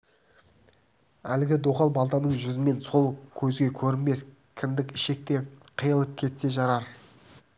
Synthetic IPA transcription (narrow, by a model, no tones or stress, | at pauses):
ælɪɡʲɪd̪oqɑlˠbɑlˠt̪ɑnəɴʒʏzɪme̞nso̞lˠkʲʰɵzɡʲe̞kʲʰɵɾɪnme̞s | kʲʰɪmd̪ɪkɪʃe̞k̚t̪e̞qʰəjəlˠəp̚kʲʰe̞t̪se̞ʒɑɾɑɾ